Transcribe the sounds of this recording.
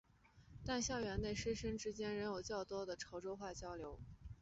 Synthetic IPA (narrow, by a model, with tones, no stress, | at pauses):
t̪a˥˧nɕjɑ˥˩ʊɥɛ˧˥nne˥˩ɪʂə˥ʂə˥ŋʈ͡ʂɻ̩˥t͡ɕjɛ˥nɻə˧˥njo˨˩ʊt͡ɕjɑ˥˩ʊt̪wɔ˥d̪ə˨ʈ͡ʂʰo˧˥ʊʈ͡ʂo˥ʊxwa˥˩t͡ɕjɑ˥ʊljo˧˥ʊ